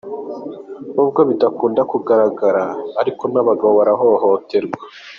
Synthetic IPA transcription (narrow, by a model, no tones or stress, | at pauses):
nuːbɡo̞βidakuːndakuɡaɾaɡaɾaːɾiko̞naβaɡaβaβaɾaɦoβaɦote̞ɾɡwḁ